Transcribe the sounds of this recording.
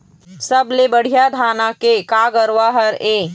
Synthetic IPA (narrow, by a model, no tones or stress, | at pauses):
səblebəɽ̤ijad̪ʱaːnakekaːɡəɾwaɦəɾeː